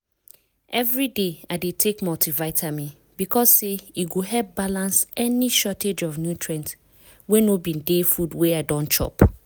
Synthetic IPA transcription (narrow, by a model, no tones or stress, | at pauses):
ʔɛvɹideaɪdetʰekmɔltivaɪtʰamĩ | b̥ikʰɔsseiɡoɦɛp̚balãnsɛniʃɔted͡ʒɔvnjutʰɹɛ̃nt | wẽnobĩndefudweaɪdɔ̃nt͡ʃɔ̰p